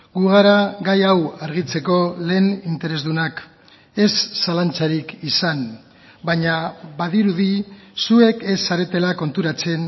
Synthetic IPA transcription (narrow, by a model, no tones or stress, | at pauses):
ɡuɣaɾaɣajawaɾɣ̞it͡se̞ko̞le̞ːnint̪e̞ɾe̞zðunak | e̞sːalant͡saɾikisan | baɲaβaðiɾuðisue̞ke̞sːaɾe̞t̪e̞lako̞nt̪uɾat͡se̞n